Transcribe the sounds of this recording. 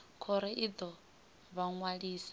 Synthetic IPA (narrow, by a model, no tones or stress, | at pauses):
kʰɔɾɛʔid̪ɔ | βaŋwaɺiːsḁ